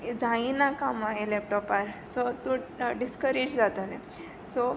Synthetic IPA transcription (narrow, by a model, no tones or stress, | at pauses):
d͡zaĩnakamaelɛp̚ʈɔpaɾsɔt̪ũɖiskəɾed͡ʑd͡zat̪əne | sɔ